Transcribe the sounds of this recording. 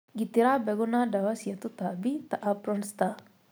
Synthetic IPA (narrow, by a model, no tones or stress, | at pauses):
ɡit̪iɾabɛɡunadawasiat̪ut̪abit̪aʔapɾɔnst̪a